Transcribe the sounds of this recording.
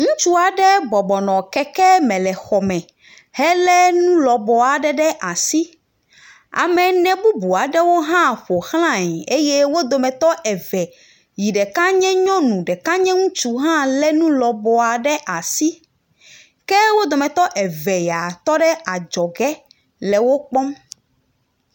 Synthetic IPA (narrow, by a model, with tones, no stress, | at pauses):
ŋũ˦t͡ʃu˦a˨ɖɛ˦bɔ˨bɔ˨nɔ̃˨kɛ˦kɛ˦mɛ̃˨lɛ˨xɔ˨mɛ̃˨ | hɛ˦lɛ˦nũ˦lɔ˨bɔ˨a˨ɖɛ˦ɖɛ˦ʔa˨si˦ | a̰˨mɛ̃˨nɛ̃˨bu˦bu˨a˨ɖɛ˦wo˦ɦã˦ɸo˨xl̃ã˦˨ɲɛ˨e˦je˦wo˦d̪o˨mɛ̃˨t̪ɔ˦ʔɛ˨vɛ˨ | ji˨ɖɛ˨ka˦ɲɛ̃˦ɲɔ̃˦nũ˨ɖɛ˨kã˦ɲɛ̃˦ŋũ˦t͡ʃu˦ɦã˦lɛ˦nũ˦lɔ˨bɔ˨a˨ɖɛ˦ʔa˨si˦ | kɛ˦wo˦d̪o˨mɛ̃˨t̪ɔ˦ʔɛ˨vɛ˨ja˨t̪ɔ˦ɖɛ˦a˨d͡ʒɔ˨ɡɛ˦ | lɛ˨wo˦k͡pɔ˦m